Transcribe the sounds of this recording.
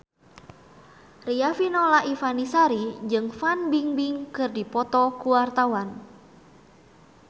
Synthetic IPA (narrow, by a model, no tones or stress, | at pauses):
riafinɔlaʔifanisaɾid͡ʒɨŋfanbiŋbiŋkɨrdipɔt̪ɔkuwart̪awan